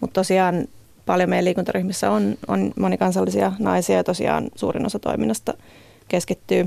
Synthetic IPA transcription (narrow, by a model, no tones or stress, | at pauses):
mut̪t̪osiɑːn | pɑljomejæliːkunt̪ɑryhmisːæononmonikɑnsɑlːisiɑnɑisiɑjɑt̪osḭɑ̰ːnsṵːrḭnosɑt̪o̰iminːɑst̪ɑ | keskit̪ːyː